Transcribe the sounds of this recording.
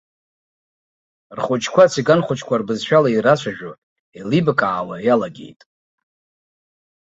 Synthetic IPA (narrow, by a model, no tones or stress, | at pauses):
rχʷʊt͡ʃʰkʷʰat͡sʰiɡanχʷʊt͡ʃʰʼkʷʰarbɨzʃᶣalairat͡ʃʷʰaʒᶣo | elibkʼaːwajalaɡʲḛjtʼ